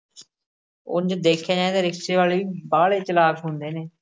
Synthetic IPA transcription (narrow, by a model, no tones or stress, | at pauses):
ʊ̰nd͡ʒd̪eːkʰːaːd͡ʒãːt̪eːɾɪkʃeːʋaːleːʋiːbaːɭeːt͡ʃəlaːbɦʊ̃nd̪eːneː